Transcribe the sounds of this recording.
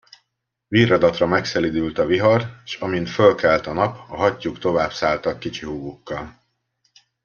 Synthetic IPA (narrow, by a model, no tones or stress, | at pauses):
virɒd̪ɒt̪rɒmɛksɛlid̪ylt̪ɒviɦɒrʃɒmint̪følkɛlt̪ɒnɒpɒɦɒcːukt̪o̞vaːbsaːlt̪ɒkːit͡ʃiɦuːɡukːɒl